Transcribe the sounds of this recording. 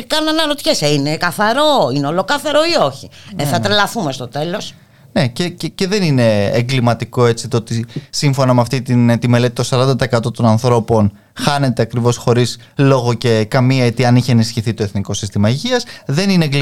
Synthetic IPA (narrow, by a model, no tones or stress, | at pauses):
kɐnunɐnɐɾot̪çeseine̞kɐθɐɾo̞ineo̞lo̞kɐθeɾo̞io̞çieθɐt̪ɾelɐθumest̪ot̪e̞lo̞s | ne̞cececeðe̞nine̞ːŋɡlimɐt̪iko̞e̞t͡sit̪oot̪isiɱfo̞nɐmeɐft̪it̪int̪ime̞le̞t̪it̪o̞sɐɾɐnd̪ɐt̪ɐe̞kɐt̪o̞t̪o̞nɐnθɾo̞po̞n | xɐne̞t̪e̞ɐkɾivo̞sxo̞ɾis | lo̞ɣo̞ce̞kɐmiɐet̪iɐniçeenisçiθit̪o̞e̞θniko̞sist̪imɐiʝiɐsðe̞nineeŋɡl